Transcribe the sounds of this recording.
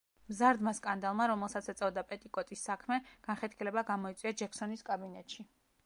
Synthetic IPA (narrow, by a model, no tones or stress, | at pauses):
mzaɾd̪maskʼand̪alˠmaɾɔmɛlˠsat̪sʰɛt̪sʼɛvd̪apʼɛt̪ʼikʼɔt̪ʼisːakʰmɛɡ̥anχɛt̪kʰɛlɛbaɡamɔit̪sʼwiad͡ʒɛksɔniskʼabinɛt̪ʃi